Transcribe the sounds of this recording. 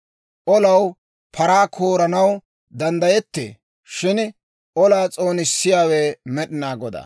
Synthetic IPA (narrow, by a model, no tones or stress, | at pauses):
ʔɔlɐw | pʰɐɾaːkʰoːɾɐnɐw | d̪ɐnd̪ɐjɛt̪ːḛː | ʃɪn | ʔɔlaːt͡sʼo̞ːnɪsːɪjaːwemɛɗɪnaːɡɔd̪ɐ̰